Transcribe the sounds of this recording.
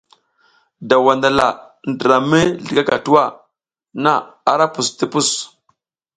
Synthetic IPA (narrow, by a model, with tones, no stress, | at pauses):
da˨wa˨nda˨la̰˨ | ndə˨ɾa˨mi˦ɮi˨ɡa˦ka˨tu˦wa˦˨ | na˦˨a˦ɾa˦pu˨sti˦pu˦˨s